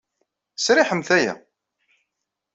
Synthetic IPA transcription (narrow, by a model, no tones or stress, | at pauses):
sɾiħəmθæjæ̰